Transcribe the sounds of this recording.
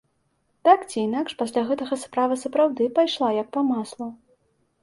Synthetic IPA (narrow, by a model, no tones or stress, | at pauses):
t̪akt͡sʲiːnakʂpasʲlʲaɣɛt̪ɐɣɐspɾavɨsɐpɾawd̪ɨpajʂlˠajɐk̚pɐmaslˠu